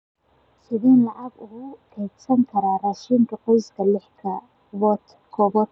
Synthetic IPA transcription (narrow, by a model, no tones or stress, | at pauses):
sɪðɛːnlɑʕɑɡʊkʰɛːd̪sɐŋkʰɐɾaːrɐʃiːŋkʰɐqɔjsɡʰɐlɛħkʰɐ | wɔt̪ | kʰɔbɔt̪